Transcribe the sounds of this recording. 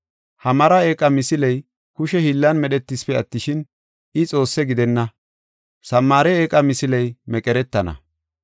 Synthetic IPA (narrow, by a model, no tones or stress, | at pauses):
hɐmɐɾɐe̞ːkʼːɐmɪsɪlɛj | kʊʃɛhilːɐnmɛɗɛt̪ːispɛɐt̪ːɪʃɪn | ɪt͡sʼo̞ːsːɛɡɪd̪ɛnːɐ | sɐmːaːɾɛeːkʼɐmɪsɪlɛjmɛkʼɛɾɛt̪ːɐnɐ̰